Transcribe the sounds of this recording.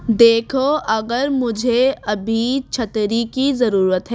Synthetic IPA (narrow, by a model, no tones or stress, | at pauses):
d̪eːkʰoʔɐɡəɾmʊd͡ʒʱeɐbʱit͡ʃʰɐt̪ɾikizɐɾuːɾət̪ɦɛː